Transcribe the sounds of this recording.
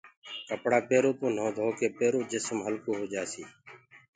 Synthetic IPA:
kəpɽaːpeːɾoːt̪õːn̤õːd̪ʱoːkeːpeːɾoːd͡ʒɪsmɦəlkoːɦoːd͡ʒaːsiː

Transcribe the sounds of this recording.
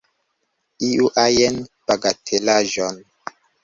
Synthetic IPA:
iuʔajenb̥aɡatʰelaʒɔn

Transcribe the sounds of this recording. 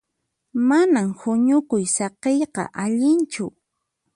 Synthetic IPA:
manamhʊɲʊkʊjsɑqejqɑ̰ʔaʎɪnt͡ʃʊ

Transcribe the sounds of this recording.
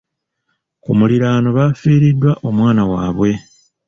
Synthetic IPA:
kumuliɾaːno̞βaːfiːɾidːwaʔo̞mwaːnawaːβwe̞

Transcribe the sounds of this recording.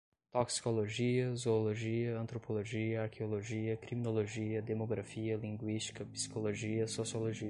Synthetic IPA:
t̪oksi̥koloʒiɐzoːloʒiɐɐ̃nt̪ɾopoloʒiɐaɾkʰeoloʒiɐkɾiminoloʒiɐd̪emoɡɾafiɐlĩŋɡwiʃt͡ʃi̥kɐpi̥si̥koloʒiɐsosioloʒi

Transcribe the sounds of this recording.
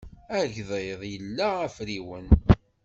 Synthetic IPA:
æʝðˤeðˤjəlːææfɾiwən

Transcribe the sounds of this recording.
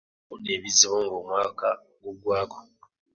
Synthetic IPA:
uneːβiziβoːŋɡoːmwaːka | ɡoɡwaːko̥

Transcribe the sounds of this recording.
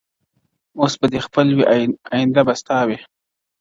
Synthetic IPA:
osbad̪expəlwiʔajɪnd̪abast̪ɑwe

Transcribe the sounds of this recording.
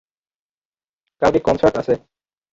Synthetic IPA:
kalkekɔnsaɾʈasʰe

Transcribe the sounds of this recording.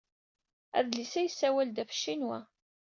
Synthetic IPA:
æ̰ðlisæjəsːæwæld̪æfə̥ʃːinwæ

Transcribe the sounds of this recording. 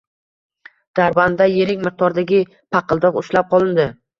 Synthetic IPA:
d̪̥aɾband̪aje̞ɾɪkʲmɨq̚t̪ɒɾd̪aɡʲɪ | pʰɑqʰɨlˠd̪ɒqʊʃlap̚qʰɒlˠɪnd̪ɪ

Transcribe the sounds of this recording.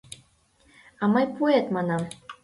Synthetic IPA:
ɑmɤjpuet̪mɑnɑm

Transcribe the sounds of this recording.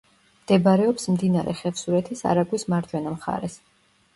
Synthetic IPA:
md̪̥ɛbaɾɛɔpsmd̪inaɾɛ̰χɛfsuɾɛt̪ʰisa̰ɾaɡwismaɾd͡ʒ̪wɛnamχa̰ɾɛs

